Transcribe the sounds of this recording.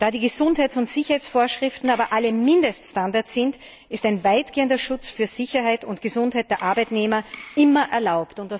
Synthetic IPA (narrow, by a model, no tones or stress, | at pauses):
d̥aːdiːɡəzʊnthaɪt͡ssʊntz̥ɪçəɐhɛɪsfoːɐʃʁ̥ɪftn̩aːbɐʔaləmɪndəststandaɐsɪnt | ɪstæɪnvaɪtɡ̥eːəndɐʃʊt͡sfyːɐz̥ɪçɐɦaɪtʊntɡ̥əzʊnthaɪt̚d̥eːɐʔaɐbaɪtneːmɐʔɪmɐʔɛɐlaʊptʊnt̚d̥a